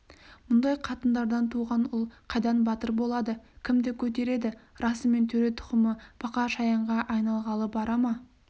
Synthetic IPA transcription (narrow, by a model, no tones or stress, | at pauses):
mʊnd̪ɑjqʰɑt̪ənd̪ɑɾd̪ɑnt̪ʰuʁɑnʊlˠqʰɑjd̪ɑnbɑt̪əɾbo̞lˠɑd̪əkʲʰɪmd̪e̞kʲʰɵt̪̬e̞ɾe̞d̪ɪɾɑsəme̞nt̪ʰɵɾe̞t̪ʰʊ̥qəməpʰɑqɑʃɑjɑɴʁɑʔɑjnɑlˠʁɑlˠəbɑɾɑmɑ